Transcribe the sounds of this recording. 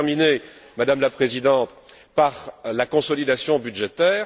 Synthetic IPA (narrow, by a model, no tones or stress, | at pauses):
ʁminemad̪amlapχezid̪ɑ̃t̪ | paʁlakɔ̃sɔlid̪asjɔ̃byd̪ʒet̪ɛːʁ